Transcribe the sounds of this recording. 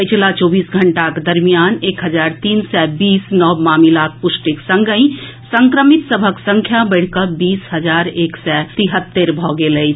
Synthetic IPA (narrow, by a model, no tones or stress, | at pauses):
pəɪt͡ʃʰlat͡ʃɔːbiːsɡʱəɳʈaked̪əɾmijaneːkɦəd͡ʒaɾt̪iːnsɛbiːsnɔbmaːmilak̪̚pʊsʈiksə̃ŋɡəĩ | sə̃ŋkɾəmit̪səbʱəksə̃ŋkʰjabəɪɽ̤kəbiːsɦəd͡ʒaːɾeːksɛt̪iɦət̪ːeɾbʱɔɡelə